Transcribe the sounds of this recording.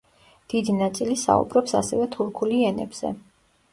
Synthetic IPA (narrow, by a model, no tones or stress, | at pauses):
d̪̥id̪inat̪sʼilisa̰ṵbɾɔpsa̰sɛvɛt̪ʰuɾkʰuliɛnɛ̰bz̥ɛ̰